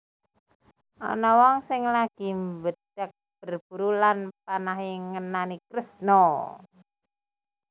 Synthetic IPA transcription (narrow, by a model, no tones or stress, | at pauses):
ʔɔ̰nɔwɔŋsɪŋlaɡ̥i̤mbəd̥ak̚b̥ərb̥ṳɾulanpanaɦiŋənanikɾəsno